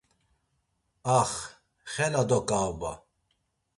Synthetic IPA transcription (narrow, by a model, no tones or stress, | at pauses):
aχ | χɛnad̪ɔkʼaba̰